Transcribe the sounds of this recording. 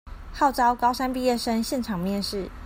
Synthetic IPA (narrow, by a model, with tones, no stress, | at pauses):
xɑ˥˩ʊt͡sɑ˦ʊkɑ˥ʊʂa˥npi˥˧jɛ˥˨ʂə˥nɕjɛ˥˩nʈ͡ʂʰɑ˨˩ŋmjɛ˥˧nʂɻ̩˥˨